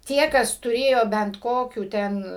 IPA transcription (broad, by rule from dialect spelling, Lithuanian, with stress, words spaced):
ˈtʲiɛ kɐs tʊˈrʲeːjoː bʲɛnt ˈkoːkʲuː ˈtʲɛn